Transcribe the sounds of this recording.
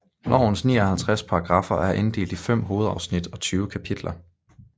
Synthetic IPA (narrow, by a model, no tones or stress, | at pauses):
nɒ̰ʊn̩snḭːɒhælt͡sʰʁaspʰɑ̈ɑ̈ɡ̥ʁɑ̈fɐʔæɐʔe̝nd̥e̝̰ːld̥ifem̰ɦo̝ːð̞̩ˠɑ̈ʊsnid̥ɒ̽t͡sʰyːʊəkʰæpʰid̥lɐ